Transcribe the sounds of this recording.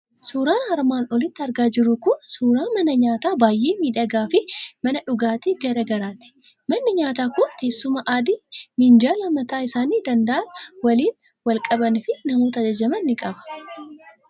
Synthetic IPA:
suːɾaːnhɐɾmaːnɔlɪt̪ːɪɐɾɡaːd͡ʒɪɾʊkʊnsuːɾaːmɐnɐɲaːt̪aːbaːjʔeːmiːᶑɐɡaːfɪmɐnɐᶑʊɡaːt̪iːɡɐɾɐɡɐɾaːt̪ɪ̥ | mɐnːɪɲaːt̪aːkʊnt̪e̞ːsːʊmɐʔaːd̪ɪmɪnd͡ʒaːlɐmɐt̪aːɪsaːniːd̪ɐnd̪ɐʔɐnwɐliːn | wɐlkʼɐbɐnfɪnɐmoːt̪ɐd͡ʒɐd͡ʒɐmɐnːɪkʼɐbɐ̥

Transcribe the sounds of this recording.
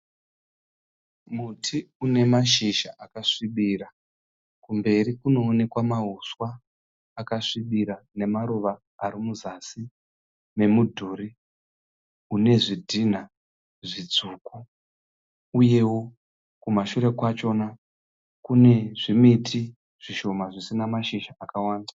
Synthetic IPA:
mutʰiune̞maʃiʃaʔakaʂiɓiːra | kumbe̞rikuno̞ːne̞kwamaɦuswaː | kaʂiɓiɾane̞maɾuʋaː | ɾimuzasi | me̞mudʱuːri | une̞ʐidʱin̤a | ʐid͡zuːku | uje̞wo̞ | kumaʃuɾe̞kwat͡ʃo̞na | kune̞ʐimitʰi | ʐ̥iʃo̞maʐisinamaʃiʃaʔakawaːnda

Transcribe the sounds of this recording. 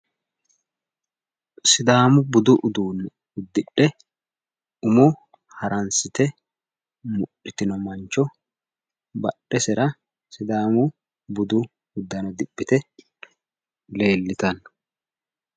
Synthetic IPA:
sɪd̪aːmʊbʊd̪ʊʔʊd̪uːnː | ʊd̪ːɪɗɛ | ʊmʊ | hɐɾʔɐnsɪt̪ɛ | mʊɗːɪt̪ɪnɔmɐnt͡ʃːɔ | bɐɗːɛsɛɾɐ | sɪd̪aːmʊ | bʊd̪ʊ | ʊd̪ːɐnɔd̪ɪbːɪt̪ɛ | le̞ːlːɪt̪ɐn

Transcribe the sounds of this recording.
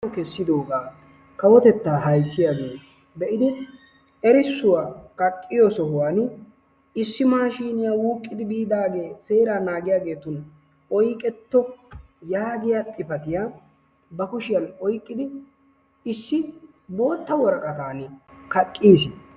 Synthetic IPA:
kɛsːɪd̪o̞ːɡaː | kɐwɔt̪ɛt̪ːaːɦɐjsːɪjaːɡeː | bɛʔɪd̪ɪ | ɛɾɪsːʊwaːkɐkʼːɪjɔsɔɦʊwaːn | ɪsːɪmaːʃiːnɪjaːwuːkʼːɪd̪ɪbiːd̪aːɡe̞ːse̞ːɾaːnaːɡɪjaːɡe̞ːt̪ʊn | ɔjkʼɛt̪ːɔ | jaːɡɪjat̪ʼɪpɐt̪ɪja | bɐkʊʃɪjɐnɔjkʼːɪd̪ɪ | ɪsːɪ | bo̞ːt̪ːɐwɔɾɐkʼɐt̪aːnɪkɐkʼːiːsɪ

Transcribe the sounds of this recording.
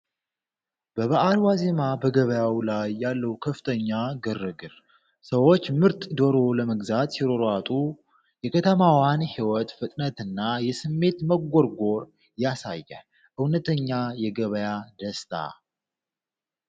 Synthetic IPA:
b̥əβaʔalwaze̞mabəɡəβəjawlajːalːəwkʰəft̪ʰəɲːaɡɨrːɨɡɨɾ | səwo̞t͡ʃːmɨɾt̪ʼd̪oɾoləməɡzat̪siɾo̞ɾat̪ʼu | jɛkʰət̪ʰəmawanhiwɔt̪fɨt̪ʼnət̪ɨnːajɛsɨmːe̞t̪məɡːoɾɡo̞ɾ | jasa̰jːə | ʔɨwnət̪ʰəɲːajɛɡəβəjad̪əst̪ʼʰa̰

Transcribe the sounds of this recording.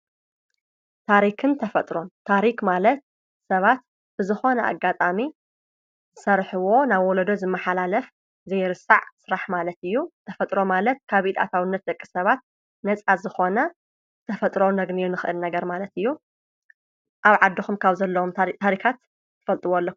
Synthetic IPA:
t̪ʰaɾikʰɨnt̪ʰɐfɐt̪ʼɾont̪ʰaɾikmalɐt̪̚ | sɐβat̪ | bɨzɨxo̞nɐʔa̰ɡat̪ʼami | zɨsɐɾħɨwo̞naβwɔlɐd̪ozɨmːɐħalalɐf | zɐjɾɨsaʕsɨɾaħmalɐt̪ɨjːut̪ʰɐfɐt̪ʼɾo̞malɐt̪̚kʰaβʔit̪ʼa̰t̪ʰawɨnːɐt̪̚d̪ɐkʼːi̥sɐβat̪̚ | nɐt͡sʼazɨxo̞nɐ | ɨt̪ʰɐfɐt̪ʼɾonɐɡniunɨxɨʔɨlnɐɡɐɾmalɐt̪ɨjːu | ʔaβʕad̪ːɨxumkʰaβzɐlːɐumt̪ʰaɾikʰat̪ː | ɨ̥fɐlt̪ʼɨwolːok

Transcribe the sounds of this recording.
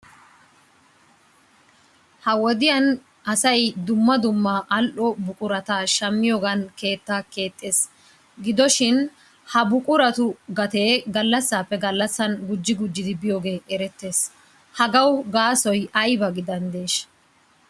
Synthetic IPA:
hɐwɔd̪ɪjɐn | ɐsɐjd̪ʊmːɐd̪ʊmːaʔɐlʔɔbʊkʼʊɾɐt̪aʃɐmːɪjoːɡɐnke̞ːt̪ːaːke̞ːt̪ʼːe̞ːs | ɡɪd̪ɔʃɪn | hɐbʊkʼʊɾɐt̪ʊɡɐt̪e̞ːɡɐlːɐsːaːpːɛɡɐlːɐsːɐnɡʊd͡ʒːɪɡʊd͡ʒːɪd̪ɪbɪjoːɡe̞ːʔɛɾɛt̪ːe̞ːs | hɐɡɐwɡaːsɔjɐjbɐɡɪd̪ɐnd̪e̞ːʃ

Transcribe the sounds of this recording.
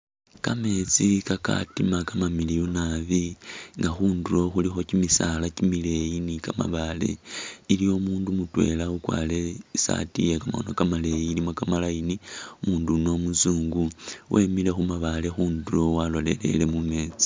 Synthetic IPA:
kame̞t͡sikaka̰timakamamilijunaβiŋɡaxuːnduɾo̞xulixo̞cimisalacimile̞jinikama̰βale̞̰ilijo̞muːndumutwe̞̰laukwa̰le̞sa̰tḭjekamo̰nokamale̞jiːlimo̞kamalainiumuːnduno̞musuːŋɡuwʔe̞mile̞xumaβale̞xuːnduo̞walo̞le̞̰le̞̰le̞mume̞ːt͡si̥

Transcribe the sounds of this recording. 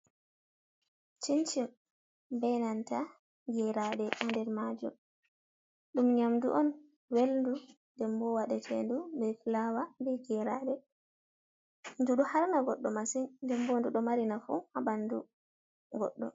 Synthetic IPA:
t͡ʃiɲt͡ʃi | bɛnanta | ɡɛɾaɗɛʔandɛɾmad͡ʒum | ɗumɲamduʔɔn | welndundɛmbɔwaɗɛtʰɛ̰ndumbɛfilawambɛɡɛɾa̰ɗɛ | nduɗuhaɾnaɡɔɗːɔmasinndɛmbɔnduɗɔmaɾinafṵhabandṵ | ɡɔ̰ɗːɔ̰

